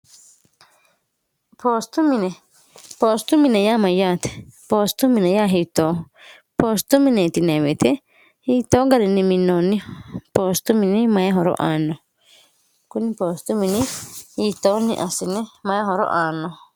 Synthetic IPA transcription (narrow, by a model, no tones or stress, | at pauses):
pʰost̪umĩnẽ | post̪umĩnẽjamãjat̪ʰe̥post̪umĩnẽjaɦit̪oː | post̪umĩnẽt̪inẽβet̪ʰe | hit̪oŋɡaɾinĩmĩnõnĩpost̪umĩnĩmãjaɦoɾo̰ʔanõ | kunĩpoːst̪umĩnĩhit̪oːnḭ̃ʔasinĩmããɦoɾo̰ʔanõ